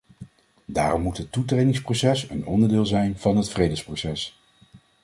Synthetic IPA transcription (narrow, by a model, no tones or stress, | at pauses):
daːrɔmːutɦətːutrejdɪŋsprowsɛsə̰nɔndəɹdɪːlˠzɛjnv̥ɑnɦətfrejdəsprosɛs